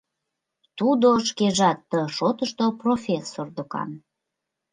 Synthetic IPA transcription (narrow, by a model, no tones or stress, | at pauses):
t̪ud̪oəʃkeʒɑt̪ːəʃot̪əʃt̪oprofʲesːord̪okɑ̰n